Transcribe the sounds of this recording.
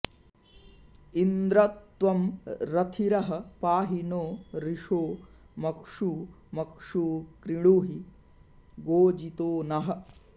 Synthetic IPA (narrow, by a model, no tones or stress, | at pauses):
ind̪ɾɐt̪ʋɐmɾɐt̪ʰiɾɐɦɐ̆paːɦinoːɾiʂoː | mɐkʂu | mɐkʂuːkɾiɽ̃uɦi | ɡoːd͡ʒit̪oːnɐɦɐ̆